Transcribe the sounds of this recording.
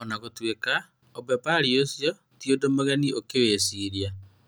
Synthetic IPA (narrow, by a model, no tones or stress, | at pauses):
ɔnaɣotweka | ɔbɛpaɾiosjɔ | tjodomoɣɛniʔokeweːsiɾja